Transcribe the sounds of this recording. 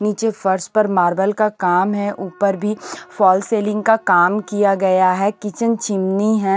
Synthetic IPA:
niːt͡ʃefɐɾspɐɾmaːɾbəlkakaːmɦɛʔuːpəɾbʱifɔːlseːlɪ̃ŋɡkakaːmkijaɡɐjaɦɛkɪt͡ʃənt͡ʃɪmniɦɛː

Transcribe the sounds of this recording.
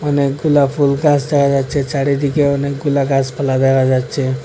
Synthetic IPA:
ɔnek̚ɡulapʰulɡãsd̪ekʰad͡ʒad̪t͡ʃʰet͡ʃaɽid̪ikeɔnek̚ɡulakaspʰəlad̪ɛkʰad͡ʒat̪ːt͡ʃʰe

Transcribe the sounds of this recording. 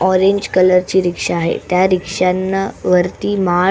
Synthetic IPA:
ɔɾeɲd͡ʑkələɾt͡ɕiːɾikʂaːɦḛt̪jaɾikʂanːaʋəɾt̪iːma

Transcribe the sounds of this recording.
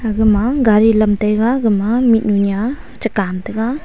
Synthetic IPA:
aɡɯmaɡaɾilɐmtajɡaɡɯmamit̚nuɲja | t͡ʃɐkamtɐɡa

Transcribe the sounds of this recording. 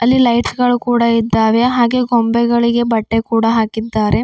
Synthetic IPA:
ɐlːilɐjʈsɡɐɭukuːɽɐid̪ːaːʋe̞ɦaːɡe̞ɡombɛɡɐɭiɡe̞bɐʈːe̞kuːɽɐɦaːkid̪ːaːɾe̞

